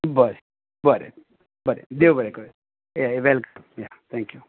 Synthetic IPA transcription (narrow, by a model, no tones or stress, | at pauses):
bəɾe | bəɾḛ | bəɾḛd̪ewbəɾeko | jaʋɛlkəmjat̪ʰɛ̃ŋkju